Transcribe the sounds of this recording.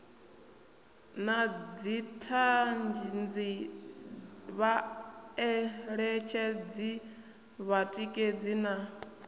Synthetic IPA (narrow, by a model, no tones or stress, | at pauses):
nad͡zitʰand͡ʒind͡zi | βaɛɺɛt͡ʃʰɛd͡zi | βatʼikʼed͡zina